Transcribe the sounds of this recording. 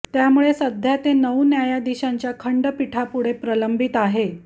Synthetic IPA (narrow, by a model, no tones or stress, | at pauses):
t̪jamuɭesəd̪ʱjat̪enəwnjajad̪iɕaɲt͡ɕjakʰəɳɖəpiʈʰapuɽ̤epɾələmbit̪aɦe